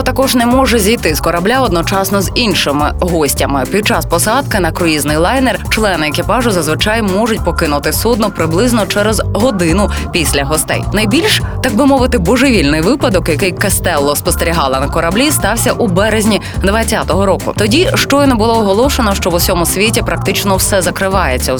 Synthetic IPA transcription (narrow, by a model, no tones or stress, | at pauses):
t̪ɐkɔʒnɛmɔʒɛzʲijt̪ɪz̥kɔɾɐblʲaɔd̪nɔt͡ʃɑsnɔzinʲʃɪmɪɦɔsʲtʲɐmɪpʲid̪̚t͡ʃɑspɔsɑd̪̚kɪnɐkɾʊiznɪjlˠɑjnɛrt͡ʃlˠɛnɪɛkɪpɑʒʊzɐzʋɪt͡ʃɑjmɔʐʊtʲpɔkɪnʊt̪ɪsud̪nʊpɾɪblˠɪznɔt͡ʃɛɾɛzɦɔd̪ɪnʊpʲisʲlʲɐɦɔst̪ɛ̰jnɐjbʲilʲʃt̪ɐɡ̚bɨmɔʋɪt̪ɪbɔʒɪʋʲilʲnɪjʋɪpɐd̪ɔkjɐkɪjkɐst̪ɛlˠːɔspɔst̪eɾʲiɦɑlˠɐnɐkɔɾɐblʲist̪ɑwsʲɐʔubɛɾezʲnʲi | d̪ʋɐt͡sʲːat̪ɔɦɔɾɔkʊ̰t̪ɔdʲiʃt͡ʃɔjnɔbʊlˠɔɔɦɔlˠɔʃenɔʃt͡ʃɔwusʲɔmʊsʲʋʲitʲipɾɐk̚t̪ɪt͡ʃnɔwsɛzɐkɾɪʋɑjet͡sʲːɐ